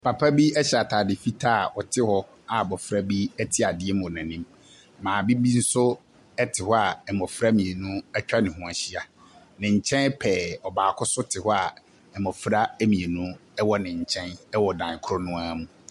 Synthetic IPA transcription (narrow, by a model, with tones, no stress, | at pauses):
pʰa˨pʰa˦bi˦ɛ˦ɕɛ˨a˨tʰaː˨dɪ˨fi˦tʰa˦˨ʔɔ˨tʰɪ˦hɔ˦ | a˨bɔ˨fɾa˦bi˦ɛ˦tʰɪ˦a˨dɪ˦ɛ˦m̃˨nã˨nĩ˦mː | ãː˨bi˦bi˦n̩˦sʊ˦ | ɛ˦tʰɪ˨hɔ˦a˨ɛ˨mɔ̃˨fɾa˦mĩ˨e˨nũ˦ɛ˦t͡ɕᶣa˦nɪ̃˨hʊ̃˨a˨ɕi˦a˨ | nɪ̃˨ɲ̩˨t͡ɕʰɛ̃˦n˦pʰɛː˨ɔ˨baː˨kʰʊ˦sʊ˦tʰɪ˨hɔ˦a˨ | ɛ˨mɔ̃˨fɾa˦æ˦mĩ˨e˨nũ˦ɛ˦wɔ˦nɪ̃˨ɲ̩˨t͡ɕʰɛ̃˦nɛ˦wɔ˨dã˨ŋ˨kʰʊ˦ɾɔ˦nʊ̃˦a˦mũ˨